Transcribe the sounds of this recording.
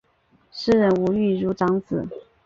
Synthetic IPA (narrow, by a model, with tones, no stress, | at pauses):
ʂɻ̩˥˧ɻə˧˥nu˧˥y˥˩ɻu˧˥ʈ͡ʂɑ˧˥ŋt͡sɹ̩˨˩˦